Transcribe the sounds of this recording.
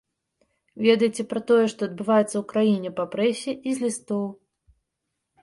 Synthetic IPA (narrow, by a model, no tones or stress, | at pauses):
vʲɛd̪ɐjt͡sʲɛpɾɐt̪ɔjɛʂt̪ɔːd̪bɨvajɛt̪sːɐwkɾajinʲɛpɐpɾɛsʲːɛʔizʲlʲist̪ɔw